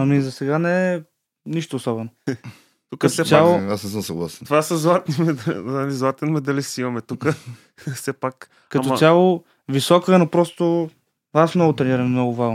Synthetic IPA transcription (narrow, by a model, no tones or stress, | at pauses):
ɐmizɐsɛɡanɛ | niʃt̪oːsɔbɛno | t̪uksɛt̪jalˠoasnɛsəmsɐɡlˠasɛ̥novasɐzlˠat̪nimɛd̪ɐlizlˠat̪ɛnmɛd̪ɐlisimɐmɛt̪ukə | fsɛpak | kɐmɔalˠo | visɔkəənopɾɔst̪o | asmnɔɡʊt̪ɾɛniɾɐmmnɔɡʊvaʒn